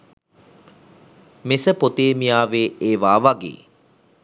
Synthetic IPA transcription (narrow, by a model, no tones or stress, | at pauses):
mesəpot̪eːmijaːʋeːeːʋaːʋaɡḛː